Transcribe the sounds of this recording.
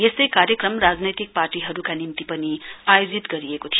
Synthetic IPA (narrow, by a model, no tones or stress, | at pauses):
jesekaɾjəkɾəmɾad͡znejt̪ik̚paːɾʈiɦʌɾukanimt̪ipʌniajod͡zit̪ɡʌɾiekot̪ʰij